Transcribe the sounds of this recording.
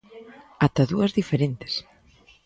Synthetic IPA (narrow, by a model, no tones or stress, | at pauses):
at̪aðuɐzðifeɾent̪ɪ̥s